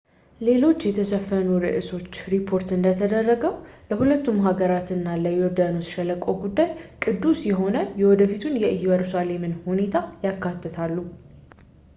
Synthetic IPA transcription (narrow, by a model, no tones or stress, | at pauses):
le̞lo̞t͡ʃːjɛt̪ʰəsəfːənuɾɨ̰ʔɨso̞t͡ʃːɾipʰo̞ɾt̪ɨnd̪ət̪ʰəd̪ərːəɡəwləhulət̪ːumɦaɡəɾat̪ɨnːaləjoɾd̪anosʃɛləkʼoɡud̪ːajkʼɨd̪ːusjɛɦo̞nəjɛwɔd̪əfit̪ʰunjɛʔɨjwəɾusale̞mɨnhune̞t̪ʰajakːat̪ːət̪ʰalːu